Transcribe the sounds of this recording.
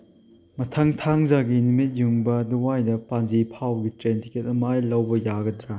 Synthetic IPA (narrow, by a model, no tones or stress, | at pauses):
mɐtʰɐŋtʰaŋzaɡinumit̚juŋbɐduwajdɐpanzipʰawɡitɾentikʰet̚ɐmajlɐwbɐjaɡɐdɾa